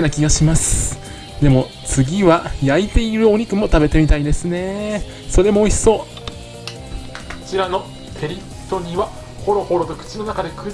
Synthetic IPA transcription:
enakʲiɡaɕimasɨ̥ | d̪e̞mo̞ | t͡sɨɡʲiβajait̪e̞iɾɯ̟o̞ɲ̟ikɯ̟mo̞t̪abe̞t̪e̞mʲit̪aid̪e̞sɨne̞ | so̞ɾe̞mo̞ːiso̞ː | kot͡ɕiɾano̞ | kʰe̞ɾʲi̥ | t̪ːo̞ɲiβa | ho̞ɾo̞ho̞ɾo̞t̪o̞kɯ̟̥t͡ɕino̞nakad̪e̞kɯ

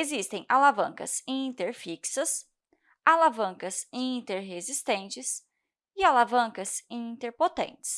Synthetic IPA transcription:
ezist̪ẽj̃ʔalavɐ̃ŋkɐ̰zĩt̪eɾfiksɐs | alavɐ̃ŋkɐzĩt̪eɾɦezist̪ẽnt͡ʃɪs | ɪalavɐ̃kɐzĩt̪eɾpot̪ḛ̃nt͡ʃɪ̥s

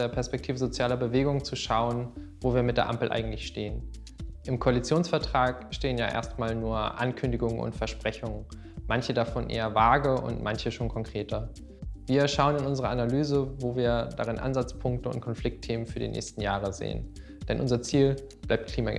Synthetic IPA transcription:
eːɐpʰɛɐspɛk̚tʰiːvəzot͡sjaːlɐbəveːɡʊŋt͡suʃaʊənvoːviːɐmɪtd̥eːɐʔa̰mpl̩ʔa̰ɪɡŋ̩tlɪçʃteːən | ʔɪmkʰoalit͡sjoːnsfɛɐtʁ̥aːkʃteːənjaːʔḛːɐstmaːlnuːɐʔa̰nkʰʏndɪɡʊŋənʔʊ̰ntfɛɐʃpʁ̥ɛçʊŋən | mançədafɔnʔḛːɐvaːɡəʔʊ̰ntmʔançəʃoːnkʰɔŋkʁ̥eːtʰɐ | viːɐʃaʊənɪnʊnzəʁəanalyːzəvoːviːɐdaʁɪnʔa̰nzat͡spʰʊŋk̚təʊ̰nt̚kʰɔnflɪk̚tʰːeːmənfyːɐdḭnʔɛ̰ːçstn̩jaːʁ̞əzḛːən | d̥ɛnʔʊnzɐt͡siːl | b̥laɪpt̚kʰl̥iːma̰

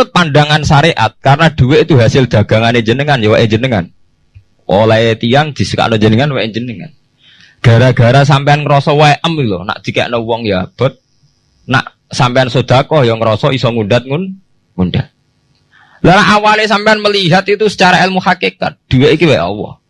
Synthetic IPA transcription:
ʊt̪̚panɖaŋansaɾeʔa̰t̪̚kaɾənad̥ṳweit̪uɦasɪld̪̥a̤ɡ̥a̤ŋaneɲd͡ʒənəŋanjɔwɛʔeɲd͡ʒənəŋan | ʔo̰laet̪iaŋd̪̥i̤sə̥ka̰ʔnoɲd͡ʒənəŋanwɛʔeɲd͡ʒənəŋa̰n | ɡ̥a̤ɾaɡ̥a̤ɾas̬ampeanŋəɾɔsɔwaʔəmilɔna̰ʔd̪̥i̤kɛ̰ʔnəwɔŋjab̥a̤t̪̚ | na̰ʔ | sampeansod̥a̤kɔhjɔŋəɾɔsɔisɔŋundat̪̚ŋʊn | ŋunɖat̪̚ | lanaʔawales̬ampeanməliɦat̪it̪usə̥t͡ʃaɾaelmuhakeka̰t̪̚d̥ṳweʔikiwɛʔɔ̰wɔ̰h

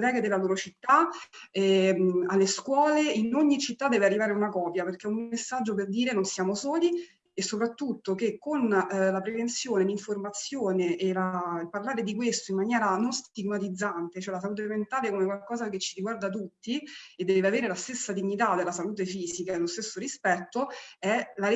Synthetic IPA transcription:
t̪ɛːked̪elaloːɾot͡ʃit̪ːaɛalːeskwɔːleinoɲːit͡ʃit̪ːad̪ːɛːvearːivaːɾeunakɔːpjaperkɛumesːad͡ʒːop̬erd̪iːɾenonsjaːmosɔːli | esːopɾat̪ːut̪ːokekːonlapɾevent̪sjoːneliɱformat̪sjoːneʔelalparlaːɾed̪ikwest̪oimːanjɛːɾanonst̪iɡmat̪id̪zːant̪et͡ʃoɛlas̬aluːt̪̬ement̪aːlekomekwalkɔːzaket͡ʃːiɾiɡward̪at̪̬ut̪ːied̪ːɛːveaveːɾelast̪esːad̪iɲːit̪ad̪elasaluːt̪̬efiːzikaelost̪esːoɾispɛt̪ːoɛla

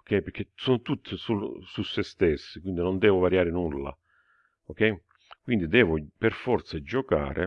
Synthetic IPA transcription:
okːɛjpeɾk̟ːesɔnt̪ut̪ːsususːest̪ɛsːɪkwind̪inond̪ɛːvʊvaɾjaːɾɪnulːa̰ | okːɛj | kwind̪id̪ɛːvʊperfɔrt̪sad͡ʒɔka̰ːɾḛ

